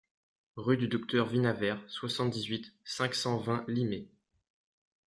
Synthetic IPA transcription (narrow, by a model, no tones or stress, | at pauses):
ʁyd̪yd̪ɔk̚t̪œʁvinavɛʁswasɑ̃t̪̚d̪izɥit̪sɛ̃ksɑ̃vɛ̃lime